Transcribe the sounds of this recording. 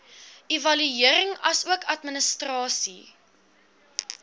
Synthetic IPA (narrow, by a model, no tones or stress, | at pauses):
ʔivɐlyiəɾəŋɐsuəkʰɐtmənəstrɑːsḭ